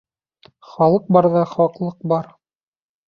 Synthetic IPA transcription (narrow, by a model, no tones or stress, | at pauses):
χɑlˠɤq̚bɑɾðɑχɒqlˠɤq̚bɑɾ